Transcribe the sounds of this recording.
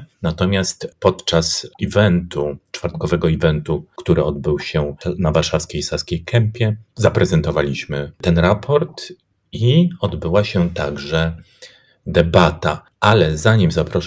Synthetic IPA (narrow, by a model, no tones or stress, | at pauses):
nat̪ɔmʲjast̪pɔt̪t͡ʂasivɛnt̪ut͡ʂfaɾt̪kɔvɛɡɔivɛnt̪ukt̪uɾɘɔd̪̚bɘwɕɛnavaɾʂafskʲejsaskʲejkʰɛmpʲjɛzapɾɛzɛnt̪ɔvalʲiɕmɘt̪ɛnɾapʰɔɾt̪ | iɔd̪bɘwaɕɛt̪aɡʐɛ | d̪ɛbat̪a | alɛzaɲimzapɾɔʂ